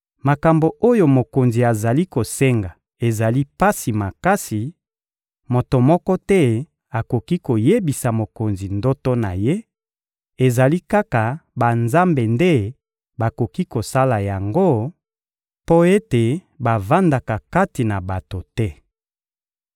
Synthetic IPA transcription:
ma˨ka˨mbo˨ʔo˦jo˨mo˨ko˨nzi˨a˨za˨li˦ko˨se˦ŋɡa˨ | e˨za˨li˦pa˦si˨ma˨ka˦si˨ | mo˨to˨mɔ˦kɔ˦tɛ˦ | a˨ko˨ki˦ko˨je˦bi˨sa˨mo˨ko˨nzi˨ndo˦to˦na˨je˦ | e˨za˨li˦ka˦ka˨ba˨nza˦mbe˨nde˦ | ba˨ko˨ki˦ko˨sa˦la˨ja˨ŋɡo˦ | po˦e˦te˨ | ba˨va˦nda˨ka˨ka˦ti˨na˨ba˨to˨tɛ˦

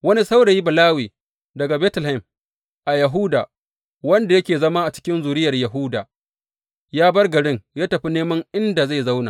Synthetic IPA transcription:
wɐ˦ni˦sa˦wɽe˨ji˦bɐ˨laː˦wiː˨ | dɐ˨ɡa˨bɛː˦tʊ˨lhɐ˦˨m | ʔa˨jɐ˨ɦuː˦da̰ː˨ | wɐ˦nda˨jɐ˦kʲeː˨zɐ˦maː˦ʔa˨t͡ʃɪ̥˦kʲɪ˦nzuː˨ɾɪ˦jɐ˨rjɐ˨ɦʊː˦da̰ː˨ | jaː˦bɐ˦rɡɐ˨ɽɪ˦ŋjaː˦tɐ˨ɸi˦neː˦mɐ˦ŋʔɪ˦nda˨za˦˨jza˦wnaː˨

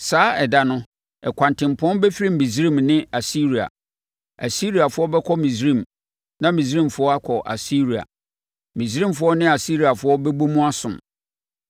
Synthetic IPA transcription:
saː˨˦ɛ˨da˨nʊ̃˦ | ɛ˨kʷʰã˨ntʰɪ̃˨m˨pʰɔ̃˦nbɛ˦fi˦ɾĩ˦m̩˨mĩ˨zi˦ɾĩ˦˨mnɪ̃˦a˨si˦ɾi˨a̰˨ | a˨si˦ɾi˨a˨fʊ˦ɔ˦bɛ˦kʰɔ˦mĩ˨sɾĩ˦˨m | nã˦mĩ˨s̬ɾĩ˦˨mfʊ˦ɔ˦a˦kʰɔ˨ʔa̰˨si˦ɾi˨a̰˨ | mĩ˨s̬ɾĩ˦˨mfʊ˨˦ɔ˦nɪ̃˦a˨si˦ɾi˨a˨fʊ˨˦ɔ˦bɛ˦bo˦mũ˦a˦sʊ̃˨m

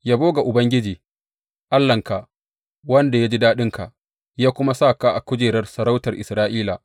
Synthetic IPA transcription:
jaː˦boː˦ɡa˨ʔʊ˨bɐ˦ŋɡʲɪ˦d͡ʒiː˨ | ʔa˦lːɐ˨ŋka˨ʔ | wɐ˦nda˨ja˦d͡ʒi˦daː˦ɗɪ˦ŋka˨ʔ | jaː˦kʷʊ˦ma˦sa˦˨ka˦ʔa˨kʷʊ˦d͡ʒeː˨ɾɐ˦rsɐ˨ɾa˦wtɐ˨rʔɪ˨sɾaː˦ʔiː˦la˨

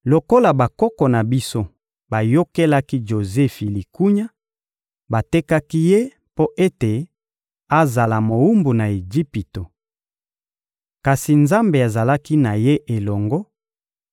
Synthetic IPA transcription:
lo˨ko˦la˨ba˨kɔ˦kɔ˨na˨bi˦so˦ | ba˨jo˦ke˦la˦ki˦ʒo˨zɛ˦fi˨li˨ku˦ɲa˦ | ba˨te˦ka˦ki˦je˦ | po˦ʔe˦te˨ | a˦za˨la˨mo˨u˦mbu˨na˨e˨d͡ʒi˦pi˨to˨ | ka˨si˨nza˦mbe˨a˨za˨la˦ki˦na˨je˦ʔe˨lɔ˨ŋɡɔ˦

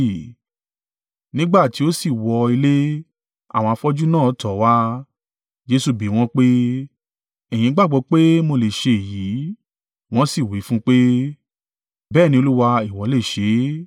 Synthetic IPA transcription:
nĩ˦ɡ͡ba˦˨ti˨˦o˦si˦˨wɔ˧i˧le˦ | a̰˦˨wɔ̃˧a˧fɔ˦d͡ʒu˦nã˦˨ɔ˨˦tɔ˨˦wa˦ | d͡ʒe˧su˧˨bi˨˦w̃ɔ̃˦k͡pe˦ | ɛ˨j̃ĩ˨˦ɡ͡ba˦˨ɡ͡bɔ˧k͡pe˦mo˧le˨ʃe˧˨ji˨˦ | w̃ɔ̃˦si˦˨wi˨˦fũ˦k͡pe˦ | bɛː˦˨nĩ˧o˧lu˦wa˧i˦˨wɔ˨˦le˦˨ʃe˨˦

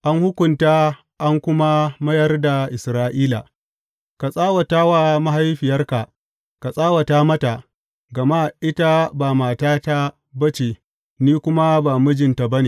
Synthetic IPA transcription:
ʔa˦ŋhʊ˦kʷʊ˨ntaː˦ | ʔa˦ŋkʷʊ˦ma˦mɐ˦jɐ˦rda˨ʔɪ˨sɾaː˦ʔiː˦la̰˨ | ka˨sʼaː˦wa˨taː˦wa˨ma˦ha˦jɸɪ˨jɐ˦rka˨ | ka˨sʼaː˦wa˨taː˦mɐ˦ta˨ | ɡɐ˨ma˦ʔɪ˦ta˦baː˨maː˨taː˦ta˦ | bɐ˦t͡ʃe˨ | niː˦kʷʊ˦ma˦baː˨mʊ˦d͡ʒɪ˨nta˨bɐ˦neː˨

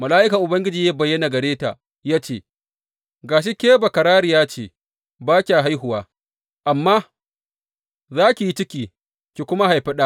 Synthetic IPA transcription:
mɐ˨laː˦ʔɪ˦ka˨ʔʊ˨bɐ˦ŋɡʲɪ˦d͡ʒiː˨ja˦bɐ˨jːɐ˦na˨ɡɐ˨ɽeː˦ta̰ː˨ | jaː˦t͡ʃeː˦˨ | ɡaː˨ʃ̬i˦kʲeː˦ba˨kɐ˨ɾaː˦ɽi˨jaː˦t͡ʃeː˨ | baː˦kʲa˨ɦa˦jɦʊ˨waː˦ | ʔa˨mːaː˦ | zaː˦kʲi˨ji˦t͡ʃɪ˦kʲiː˨ | kʲi˨kʷʊ˦ma˦ɦa˨jɸɐ˦ɗaː˦

